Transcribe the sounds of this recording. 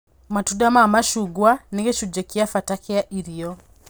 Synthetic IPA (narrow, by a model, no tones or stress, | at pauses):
matudamamaʃuɡwaneɡeʃud͡ʒɛkiafatakeaʔiɾiɔ